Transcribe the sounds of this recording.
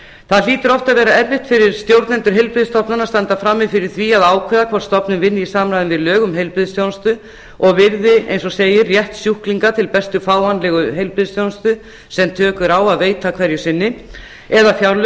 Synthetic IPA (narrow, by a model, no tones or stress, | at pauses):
θaðliːt̪ʏɾɔft̪aðvɛːɾaɛɾvɪht̪fɪɾɪɾ̥st̪jowɾt̪nɛnt̪ʏɾ̥ɦejlpɾɪðɪst̪ɔpnanast̪ant̪afɾamːɪðfɪɾɪɾ̥θviaðaːwkʰvɛːðakʰvɔr̥st̪ɔpnɪnvɪnːɪisaːmɾajðɪnvɪðlœːɣʏmɦejlpɾɪðɪst̪jownst̪ʏ | ɔɣvɪɾðɪʔḛjnsɔseːjɪrjɛht̪sjuhkliŋkat̪ʰɪlpɛst̪ʏfaːwanlɛɣʏɦejlpɾɪðst̪jownst̪ʏ | sɛmt̪ʰœːkʏɾaːwaðveːjt̪akʰvɛɾjʏsɪnːɪ | ɛðafjawlʏ